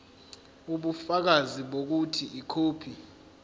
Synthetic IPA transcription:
uɓufak̬aziɓok̬utʰiʔikʰoːpʰi

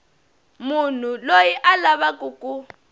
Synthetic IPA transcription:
mun̤ulojiʔalaβakʼukʼu

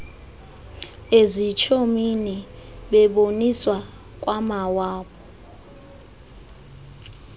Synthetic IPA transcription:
ezit͡ʃʰominiɓɛɓoniswa | k̬ʼwamawaːɓɔ

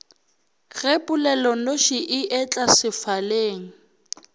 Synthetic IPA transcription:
ɣepʼʊlɛlɔnoʃiʔɪʔɛt͡ɬʼasɪfaleːŋ̩

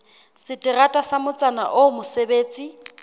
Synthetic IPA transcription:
sɪtʼɪratʼasamʊt͡sʼana̰ʔomʊsebeːt͡sʼi

